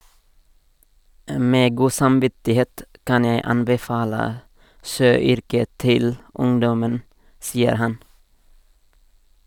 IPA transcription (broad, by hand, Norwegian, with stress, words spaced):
ˈmeː ˈɡuː sɑmˈʋɪtɪˌheːt ˈkɑn ˈjeɪ ˈɑnbɛˌfɑːlə ˈʃøːˌʏɾkə ˈtɪl ˈʊŋdɔmən ˈsiːəɾ ˈhɑn